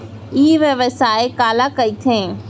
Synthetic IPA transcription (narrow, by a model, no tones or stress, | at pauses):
iːʋəʋəsaːekaːlakɐit̪ʰẽː